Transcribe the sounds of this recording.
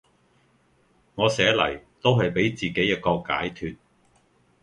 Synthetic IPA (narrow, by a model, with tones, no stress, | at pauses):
ŋɔː˨˧sɛː˨˥lɐ̰˨˩jt̪o˥wɦɐ˨jpe˨˥jt͡siː˨ke˨˥jːɐ˥t̚kɔː˧ka̰ː˨˥jt̪ʰyː˧t̚